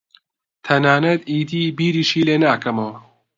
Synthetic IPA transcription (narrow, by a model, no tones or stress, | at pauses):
t̪ʰɐnaːnɐd̪iːd̪iːbiːɾiːʃiːleːnaːkʰɐmow